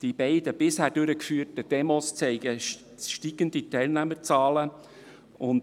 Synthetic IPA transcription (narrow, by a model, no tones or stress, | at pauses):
d̥ib̥ɛɪd̥əb̥ɪshæːɾd̥øɾəkfyːtəd̥ɛmɔst͡sɛɪɡ̥ə | ʃtiːɡənd̪itɛɪlnæməɾt͡sɑːlə | ʊnd